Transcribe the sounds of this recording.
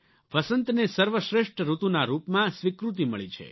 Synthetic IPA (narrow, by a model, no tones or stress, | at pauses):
ʋəsənt̪nesəɾʋəʃɾeʃʈɾut̪unaɾupmãsʋikɾut̪imə̰ɭit͡ʃʰḛ